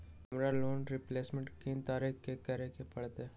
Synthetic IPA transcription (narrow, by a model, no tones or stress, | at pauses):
ɐmɾaloːnɾɪpleːsmẽɳʈkĩnt̪aːɾekkekɐɾekepɐɽt̪eː